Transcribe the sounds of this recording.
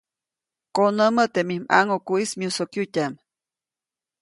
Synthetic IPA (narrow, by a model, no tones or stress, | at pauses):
konəmət̪emihma̰ŋokuismiusokjutʲam